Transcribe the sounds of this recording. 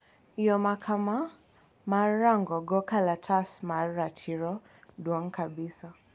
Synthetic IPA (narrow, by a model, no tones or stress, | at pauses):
ijɔmakʰama | maɾaŋɡɔɡɔkalatʰasmaɾatʰiɾɔ | ɗwaŋkabisa